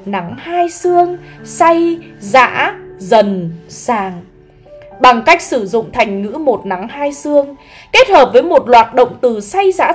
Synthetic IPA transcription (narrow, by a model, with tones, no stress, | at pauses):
na˨˦ŋhaː˧jsɨ˧əŋsa˧jza̰ː˧˥zə˨˩nsaː˨˩ŋ | ɓa˨˩ŋka˦˥jk̟̚sɨ˧˩zʊ̰˧˨ŋ͡mt̪ʰa˨˩jŋ̟ŋɨ̰˧˥mo˨˩t̚na˨˦ŋhaː˧jsɨ˧əŋ | ke˦˥t̚həː˨˩p̚vəː˨˦jmo˨˩t̚lwaː˨˩t̚ɗə̰˧˨wŋ͡mt̪ɨ˨˩sa˧jza̰ː˧˥